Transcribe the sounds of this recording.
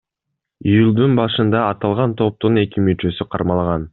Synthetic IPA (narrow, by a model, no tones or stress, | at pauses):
ijulˠd̪unbɑʃɯnd̪ɑːt̪ɑlˠʁɑnt̪ʰo̞p̚t̪une̞kimyt͡ʃø̞syqʰɑ̰ɾmɑlˠɑʁɑn